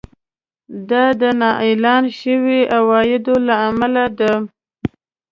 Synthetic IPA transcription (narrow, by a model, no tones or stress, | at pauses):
d̪ɑd̪ənɑʔelɑnʃəwiawɑjɪd̪olaːmalad̪a